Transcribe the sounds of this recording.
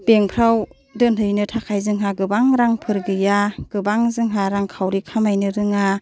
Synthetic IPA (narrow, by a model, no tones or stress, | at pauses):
b̥eŋpʰɾaw | dɯnhɯjnɯtʰakʰajzɯŋɦaɡɯbaŋɾaŋpʰɯɾɡɯjaɡ̥ɯbaŋzɯŋɦaɾaŋkʰawɾikʰamajnɯɾɯŋa